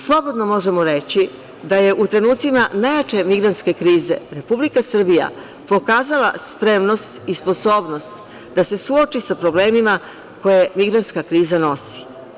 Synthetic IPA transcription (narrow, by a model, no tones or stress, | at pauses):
slˠo̞bo̞d̪no̞mo̞ʒe̞mo̞ɾe̞t͡ɕi | d̪aje̞ʔut̪ɾe̞nuːt̪simanajat͡ʃe̞miɡɾant̪ske̞kɾiːze̞̰ɾe̞publikasr̩bija̰ | po̞kaːzala̰spɾe̞mnost̪ispo̞so̞ːbno̞st̪ | d̪ase̞suot͡ʃisapɾo̞ble̞ːmima | ko̞je̞miɡɾant̪skakɾiːzano̞si̥